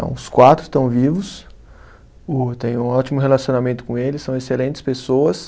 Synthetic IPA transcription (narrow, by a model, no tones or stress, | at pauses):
ɐ̰̃w̃ʊskwat̪ɾʊ̥t̪ɐ̃w̃vivʊs | ʊt̪ẽj̃ũɔt͡ʃimʊɦelasiõnamẽnt̪ʊ̥kõelɪsɐ̃w̃eselẽnt͡ʃ̪ɪ̥spesowɐs